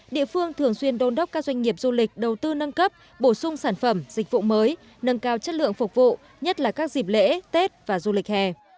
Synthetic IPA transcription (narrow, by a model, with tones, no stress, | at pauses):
ɗḭ˧˨əfɨ˧əŋt̪ʰɨ˨˩əŋswi˧ənɗo˧nɗə˦˥k͡p̚kːaː˦˥zwa˧ŋ̟ŋi˨˩əp̚zu˧lï˨˩k̟̚ɗə˨˩wt̪ɨ˧nə˧nkə˦˥p̚ | ɓo˧˩sʊ˧ŋ͡msaː˧˩nfə˧˩mzï˨˩k̟̚vṵ˧˨məː˨˦j | nə˧nkaː˧wt͡ɕə˦˥t̚lɨ̰˧˨əŋfʊ˨˩k͡p̚vṵ˧˨ | ɲə˦˥t̚laː˨˩kaː˦˥k̚zi˨˩p̚lḛ˧˥t̪e˦˥t̚vaː˨˩zu˧lï˨˩k̚hɛ˧˩